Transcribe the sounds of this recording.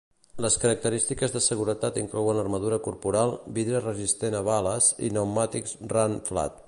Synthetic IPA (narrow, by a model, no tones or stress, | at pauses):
ləskəɾək̚t̪əɾist̪ikəzðəsəɣuɾət̪at̪iŋklɔwənərməðuɾəkuɾpuɾalˠbiðɾərəzist̪enəβaləzḭnəwmat̪iksranfla̰t̪̚